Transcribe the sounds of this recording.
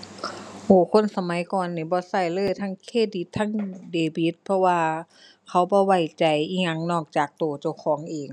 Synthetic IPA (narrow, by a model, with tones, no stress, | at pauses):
ʔoː˧˩kʰo˧˥˨nsa˧ma˨˦jkɔː˨nːiː˧˩bɔː˧˦sa˧˩jlɤː˧˥˨jt̪ʰaː˧˥˨ŋkʰeː˧˥˩di˧˦t̪ʰːaː˧˥˨ŋdeː˨˩bi˧˦t̪̚pʰɔ˧waː˧ | kʰa˧˥wbɔː˧˦wa˧˩jt͡ɕa˨jʔiː˧˩ŋa˧˥ŋnɔː˧˩k̚t͡ɕaː˨˩k̚t̪oː˨˩t͡ɕa˧˩wkʰɔː˨˦ŋʔeː˨˩ŋ